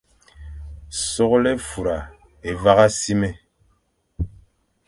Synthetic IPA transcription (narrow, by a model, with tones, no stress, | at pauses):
sɔ˦klɛ˦fu˨ɾa˨ | e˨va˦ɣa˦si˦mɛ˨